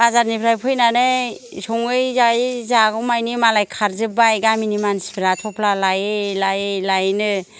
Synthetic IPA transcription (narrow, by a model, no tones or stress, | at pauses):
bazaɾnipʰɾajpʰɯjnanɯ | sɔŋɯjzajzaɡɔmajnimalajkʰaɾzɯbajɡaminimanspʰiɾatʰɔpʰlalajɯlajlajnɯ